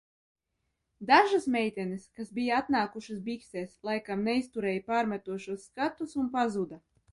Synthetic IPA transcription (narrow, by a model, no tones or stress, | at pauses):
d̪aʒasmʲɛjt̪ʲɛnɨskasbʲijaat̪naːkuʃɨsbiksɛːslˠajkamnɛist̪uɾɛːjpaːɾmʲæt̪uɔʃuɔsːkat̪usunpazud̪a